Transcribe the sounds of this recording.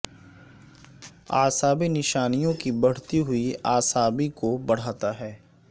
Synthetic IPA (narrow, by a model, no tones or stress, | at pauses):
a̰ːsaːbinɪʃaːnijõkibɐɽ̤t̪iɦʊiaːsaːbikobɐɽ̤aːt̪aɦɛː